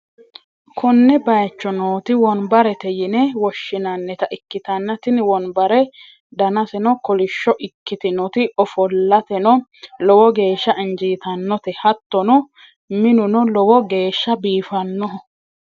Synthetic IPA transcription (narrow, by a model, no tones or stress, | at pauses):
kʰɔnːɛbɐjt͡ʃːɔnoːt̪ɪwɔnbɐɾɛt̪ɛjɪnɛwɔʃːɪnɐnːɛt̪ɐʔɪkːɪt̪ɐnːɐt̪ɪnwɔnbɐɾɛ | d̪ɐnɐsɛnɔkɔlɪʃːɔʔɪkːɪt̪ɪnɔt̪ɪɔfɔlːɐt̪ɛnɔlɔwɔɡe̞ːʃːɐʔɪnd͡ʒiːt̪ɐnːɔt̪ɛhɐt̪ːɔnɔ | mɪnʊnɔlɔwɔɡe̞ːʃːɐbiːfɐnːɔ